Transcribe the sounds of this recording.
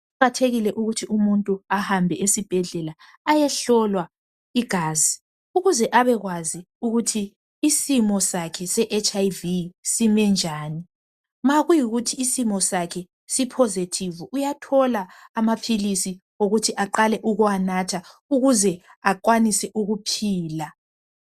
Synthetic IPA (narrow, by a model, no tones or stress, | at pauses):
atʰeɣilɛʔuɣutʰiumuntʼuahambʱɛesib̥ʱɛɮɛla | ajɛɬɔlwa | iɡ̥ʱaːzi | uɣuzɛʔaβɛɣwazi | uɣutʰiː | simɔsakʰɛsɛʔet͡ʃʰʼajvisimɛnd͡ʒʱaːni | maɣujiɣutʰiːsimɔsakʰɛ | sipʰozitʰivuʔujatʰɔlaːmapʰilisi | oɣutʰiʔaǃalɛʔuɣuanatʰauɣuzɛaǃwanisɛʔuɣupʰiːla